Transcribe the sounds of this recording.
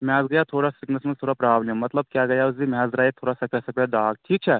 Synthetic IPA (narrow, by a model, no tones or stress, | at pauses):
mjaːzɡɐjat̪ʰoːɾasiknɐsmɐnt̪ʰoːɾapɾɐbʱaːʋnemɐt̪ləb̚kʲjaːɡɐjazimjaːzɾaːet̪ʰoːɾasɐpʰjasɐpjad̪aːɡʈʰiːk̚t͡ʃʰɛ